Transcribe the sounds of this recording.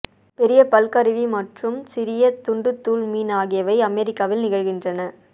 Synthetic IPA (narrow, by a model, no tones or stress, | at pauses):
pɛɾɪjɐpɐlkɐɾɯʋimɐʈrɯmsɪɾɪjɐt̪ːʊɳɖɯt̪ːuːɭmiːnaːɣɪjɐʋɐɪɐmɛɾɪkːaːʋɪlnɪɣɐɻɣɪndrɐnɐ